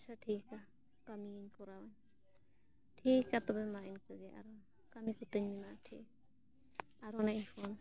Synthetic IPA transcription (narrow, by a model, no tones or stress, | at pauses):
saʈʰika | kamiɲkɔɾawaɲ | ʈʰikːat̪ɔbɛmainkəd͡ʒɛʔa̰ɾɔ | kamikut̪əɲminaʈʰḭk | aɾɔnainpʰɔn